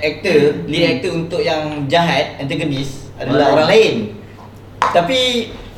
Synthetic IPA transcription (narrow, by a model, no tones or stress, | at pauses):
ɛk̚t̪əliɛk̚t̪əunt̪ʊʔjaŋd͡ʒaɦat̪̚ɛ̃nt̪əɡənis | adalaoɾaŋlaɪn | t̪api